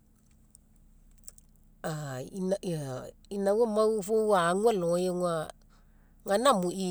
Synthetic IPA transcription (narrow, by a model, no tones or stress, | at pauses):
aina | inawomawufowaŋʷɛlɔ̃jeŋʷa | ŋanamui